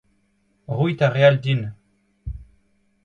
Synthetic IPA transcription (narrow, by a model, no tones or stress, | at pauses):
ʁuit̪aʁeald̪in